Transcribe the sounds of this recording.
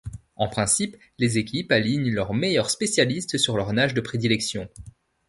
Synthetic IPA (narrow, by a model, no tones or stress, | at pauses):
ɑ̃pχɛ̃sip | lezekʲipaliɲlœʁmejœʁspesjalist̪syʁlœʁnaʒd̪əpχed̪ilɛksjɔ̃